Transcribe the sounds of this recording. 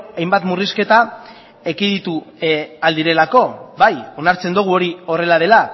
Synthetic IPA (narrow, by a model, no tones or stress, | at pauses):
ajmbat̪muriske̞t̪a | ekiðit̪uald̪iɾe̞lako̞bajo̞naɾt͡se̞nd̪uɣ̞uo̞ɾio̞re̞lað̞e̞la